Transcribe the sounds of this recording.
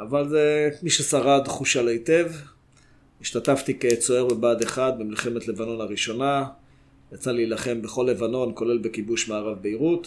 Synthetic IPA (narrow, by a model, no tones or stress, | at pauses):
avalzemiʃesaʁad̪χuʃalaite̞v | iʃt̪at̪aft̪iket͡so̞e̞ʁbebaːd̪eχad̪̚bemilχe̞me̞t̪le̞vano̞naʁiʃo̞na | jat͡saliːlaχe̞mbeχo̞lːe̞vano̞nko̞le̞lbe̞kibuʃmaːʁavbeiʁut̪